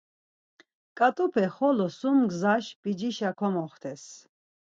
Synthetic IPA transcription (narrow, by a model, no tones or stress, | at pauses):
kʼat̪ʼupʰɛχɔlɔsumɡzaʃb̥id͡ʒiʃakʰɔmɔχt̪ʰɛs